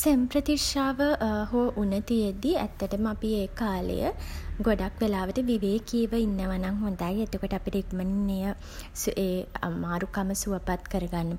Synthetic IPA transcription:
sempɾət̪iʂaːʋəɦoʔunət̪ujed̪iæ̰t̪ːəʈəməapieːkaːlə̰jə̰ɡoɖakʋelaːʋəʈəʋiʋeːkiəʋəinːəʋanaŋɦund̪ajet̪okoʈəapiʈikməninːejə | seːmaːɾukaməsuəpat̪kəɾəɡanːə

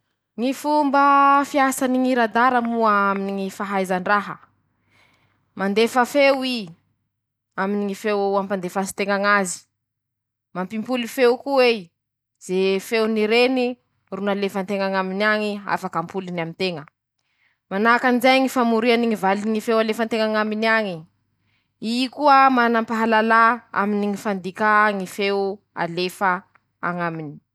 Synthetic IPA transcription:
ŋifumbəfiasaniŋiɾad̪aɾəmuəaminiŋifaɦajzaɳɖ͡ʐaɦə̰ | mand̪efəfewi | aminiŋifewampand̪efasi̥t̪eŋaŋazi̥ | mampimpulifewkue | z̥efewniɾeni | runalefəant̪eŋaŋaminaŋia̰fakampulinamint̪eŋə | manakanizajŋifamuɾianiŋivaliŋifewalefant̪eŋaŋaminiaŋi | ikuəmanampaɦalalaa̰miniŋifand̪ikaŋifew | a̰lefə | a̰ŋamini̥

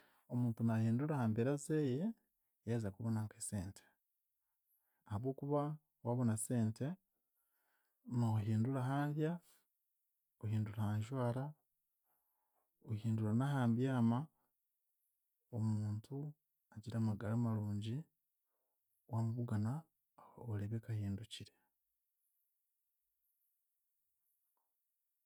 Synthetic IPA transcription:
omuːntunahiːnduɾahaːmbeɾazeːje̞ | jazakuβonaŋkese̞ːntʰe̥ | ahaβwo̞ːkuβa | waβo̞nase̞ːnte̞ | noɦiːnduɾaɦaːnβja | ohiːnduɾahaːɲʒwaːɾa | ohiːnduɾanaɦaːmbjaːma | omuːntʰu | aɟiɾaːmaɡalaːmaɾuːɲɟi | wamuβuɡana | oleβekahiːnduciɾe

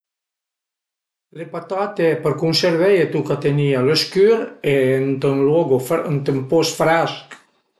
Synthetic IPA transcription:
lepat̪at̪eɛpəɾkunseɾvɛjet̪ukat̪enialøskyɾent̪ənlɔɡoənt̪əmpɔsfɾask

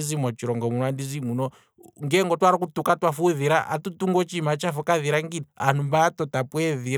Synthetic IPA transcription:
izimat͡ʃiɾɔŋɡɔmunandizimunɔ | ŋɡɛŋɡɔtwaɾakutukatwafuðiɾaʔa̰tutuŋɡɔt͡ʃimat͡ʃafɔkaðiɾaŋɡinanumbaːtɔtapweði

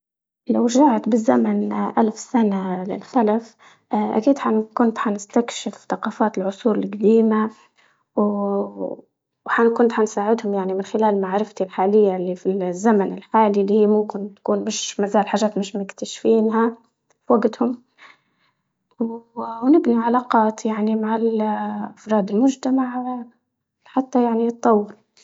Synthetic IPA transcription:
lawɾʒaʕt̪bɪzːamanʔalfsanalɪ̰lxalaf | ʔa̰kiːd̪ħankʊnt̪ħanɪst̪akʃɪfθɑqɑːfaːt̪ɪlʕʊsˤuːɾɪlɡad̪iːma | w | ħakʊnt̪ħansaːʕɪd̪hʊmjaʕnimɪnxɪlaːllmaʕɾɪft̪ilħaːlɪjːalːifilzːamanɪlħaːlilːiːhiːmʊmkɪnt̪ḁkuːnmɪʃmazaːlħaːʒaːt̪mɪʃmʊkt̪aʃfiːnɦa | fwaɡt̪hʊm | wwnɪbniʕalaːqɑːt̪jaʕnimaʕalʔafɾˤɑːd̪ɪlmʊʒt̪amaʕ | ħat̪ːajaʕnit̪ˤːɑwːɑɾˤ

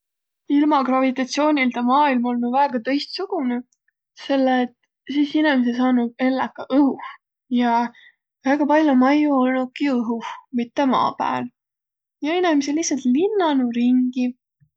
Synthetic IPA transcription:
ilmɑkrɑvit̪ˑɑt̪sio̞ːnʲilt̪ɑmɑːilmo̞lmevæːɡ̥ɑt̪ɤ̞jst̪suɡ̥une | se̞lːet̪ | siːsinɛmis̬esɑːnud̚e̞lːɑkːɑʔɤhu | jɑ | væɡ̥ɑpɑlʲjomɑjuolnu̥kiɤɦumit̪ːe̞mɑ̰ːpæ̰ːl | jɑenɛmiselihsɑlt̪linːɑnuɾiŋɡ̥i

